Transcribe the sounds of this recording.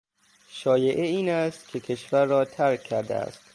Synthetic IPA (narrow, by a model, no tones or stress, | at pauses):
ʃɒːjeʔeiːnæst̪kʰekʲʰe̞ʃvæɾːɒːt̪ʰæɾkʲʰːæɾd̪ḛæ̰st̪